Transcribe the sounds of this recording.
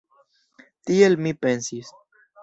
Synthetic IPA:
t̪ielmipensis

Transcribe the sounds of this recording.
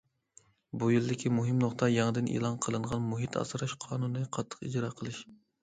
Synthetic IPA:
bujild̪ɪkʲʰimuɦɨmnoχt̪ɑjɑŋɨd̪ɪnʔḛlˠɑnqʰəlˠɨɴʁɑnmuɦit̪ʰɑ̰sɨɾɑʃqʰɑːnunːɨqʰɑt̪ʰːə̥qid͡ʒɾɑqʰəlˠɨʃ

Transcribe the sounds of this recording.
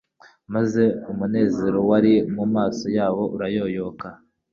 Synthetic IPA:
maze̞umune̞ːze̞ɾo̞waɾimumaːso̞jaːβo̞ʔuɾajo̞joka

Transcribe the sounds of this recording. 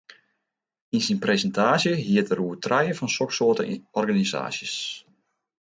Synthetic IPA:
insinpresəntʰaːsjəɦiətəruətrɛjəfɔnsɔksoːtəɔrɡaniza̰ːsjəs

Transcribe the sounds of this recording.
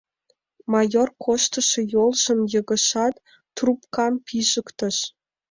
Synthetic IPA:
mɑjorkʰoʃt̪ə̆ʃĕjolˠʒɤ̆mjɤ̆ɣə̆ʃɑt̪ː | rupkɑmpʰiʒəkt̪ə̆ʃ

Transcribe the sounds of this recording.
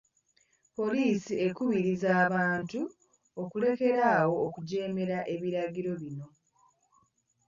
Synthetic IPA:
po̞liːsie̞kuβiɾizaːβaːntu | okule̞ke̞ɾaːwo̞ːkuɟe̞ːme̞ɾaʔe̞βiɾaɡiɾo̞βino̞

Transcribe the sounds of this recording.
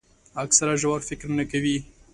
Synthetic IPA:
aksaɾaʒawaɾfɪkɾnakawi

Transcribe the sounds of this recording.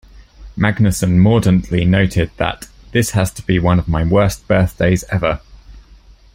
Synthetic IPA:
maɡnəsə̃nmɔːdə̃nʔlinəʊtʰɪd̪̚ðə̰ʔ | ðɪshəz̥tʰəb̥iwʌ̃nəvmaɪwɜˑsb̥ɜˑθd̥eɪzɛvə

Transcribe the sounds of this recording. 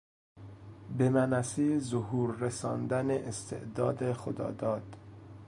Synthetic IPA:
bemænæsiːzohuːɾːesɒːnd̪æneʔːst̪ʰḛʔd̪ɒːd̪exod̪ɒ̰ːd̪ɒːd̪̥

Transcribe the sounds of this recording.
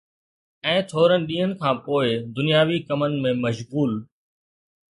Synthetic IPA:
ɛ̃ːt̪ʰoːɾənɪ̆ɗĩːɦənɪ̆kʰãːpoːɪd̪ʊnɪjaːʋikɐmənɪ̆mẽːmɐʃɣuːl

